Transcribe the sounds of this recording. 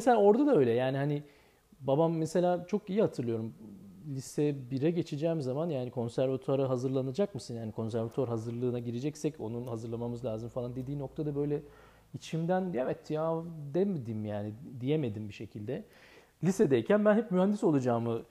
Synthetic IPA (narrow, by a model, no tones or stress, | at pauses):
meselʲaːo̞ɾd̪ad̪aø̞jlʲɛjaːniɦani | babamːese̞lʲaːt͡ʃʰo̞kijihat̪ʰɯɾlˠɯjo̞ɾumlʲisɛbiɾɛɟe̞t͡ʃʰed͡ʒɛːmizamanjaːnikʰo̞nsæɾvat̪ʰaɾaɦazɯɾlˠanad͡ʒakmɯsɯnhanikʰo̞nsæɾvat̪ʰaɾɦazɯɾlˠɯːnaɟiɾed͡ʒɛcsɛco̞̰nunhazɯɾlˠamamɯzlʲaːzɯmfalˠand̪ed̪iːno̞k̚t̪ʰad̪abø̞jlʲɛ | it͡ʃʰimd̪ænevɛt̪ʰjad̪ɛmed̪imjaːnid̪ijeme̞d̪imbiʃe̞cʰilʲd̪ɛ | lʲisɛd̪ejcʰænbænɦɛpmyɦhand̪iso̞lˠad͡ʒaːmɯ